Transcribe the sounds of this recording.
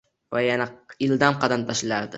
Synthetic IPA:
vajanaɪld̪amqɑd̪amt̪ʰaʃlaɾd̪ɪ

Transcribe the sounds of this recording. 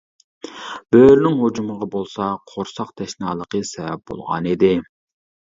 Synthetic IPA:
b̥øɾnɪŋɦod͡ʒuməʁɑbolˠsɑqʰoɾsɑqt̪ʰɛʃnɑːlˠəqəsɛvɛp̚bo̰lˠʁɑ̰nid̪ɪ

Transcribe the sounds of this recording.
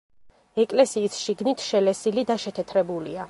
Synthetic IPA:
ɛkʼlɛsiːsʃiɡnit̪ʰʃɛlɛsilid̪aʃɛt̪ʰɛt̪ʰɾɛbulḭa

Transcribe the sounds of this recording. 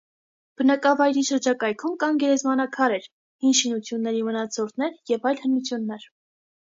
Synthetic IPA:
b̥ənɑkɑvɑjɾiʃəɾd͡ʒɑkɑjkʰumkɑŋɡɛɾɛzmɑnɑkʰɑɾɛɾ | hinʃinut͡sʰjunːɛɾimənɑt͡sʰɔɾt̪nɛɾjɛvɑjlhənut͡sʰjunːɛɾ

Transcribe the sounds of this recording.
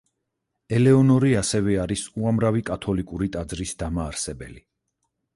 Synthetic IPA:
ɛlɛɔnɔɾiasɛvɛaɾisuamɾavikʼat̪ʰɔlikʼuɾit̪ʼad̪zɾisd̪amaːɾsɛbɛ̰li

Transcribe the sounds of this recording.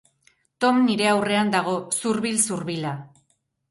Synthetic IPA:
t̪o̞mniɾe̞awre̞and̪aɣ̞o̞suɾβilsuɾβila

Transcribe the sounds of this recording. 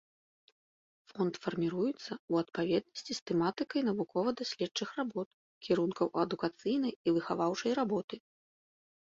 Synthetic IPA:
fɔnt̪fɐrmʲiɾujut̪sːɐuɐt̪̚pavʲɛd̪̚nɐsʲt͡sʲist̪ɛmat̪ɨkɐjnɐvukɔvɐd̪asʲlʲɛtt͡ʂɨxrabɔt̪̚ | kʲiɾunkɐwʔɐd̪ukat̪sɨjnɐjivɨxavawt͡ʂɐjɾabɔt̪ɨ

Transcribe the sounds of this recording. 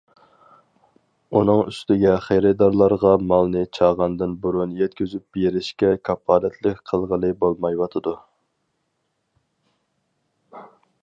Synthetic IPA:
unɨŋyst̪ɪɡʲɛχejɾɨd̪ɑɾlˠɑɾʁɑmɑlˠnɨt͡ʃʰɑːʁɑnd̪ɨnbuɾunjɛt̪̚kʲyzyp̚beɾɪʃkʲɛkʰɑpʰːɑːnɛt̪ʰlɪkʲqʰəlˠʁəlˠɨbolˠmɑjwɑt̪ʰɨd̪u

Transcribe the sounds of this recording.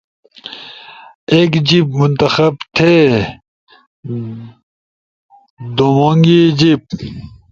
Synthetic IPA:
eːkd͡ʑip̚munt̪ɐxɐbt̪ʰe | d̪omoːŋɡid͡ʑip̚

